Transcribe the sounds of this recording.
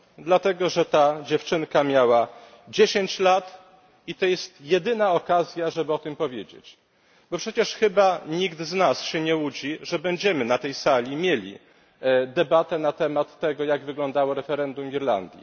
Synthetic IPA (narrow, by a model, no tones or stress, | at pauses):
d̪lat̪ɛɡɔʐɛt̪ad͡ʑɛft͡ʂɘŋkamʲjawa | d͡ʑeɕeɲt͡ɕlat̪ | it̪ɔjɛst̪jɛd̪ɘnaɔkazʲjaʐɛbɘɔt̪ɘmpɔvʲjed͡ʑḛt͡ɕ | bɔpʂɛt͡ɕɛʂxɘbaɲiɡd̪znasɕɛɲɛud͡ʑiʐɛbɛɲd͡ʑɛmɘnat̪ɛjsalʲimʲjelʲḭ | d̪ɛbat̪ɛnat̪ɛmat̪ːɛɡɔjaɡvɘɡlɔnd̪awɔɾɛfɛɾɛnd̪umʲiɾla̰nd̪ʲjḭ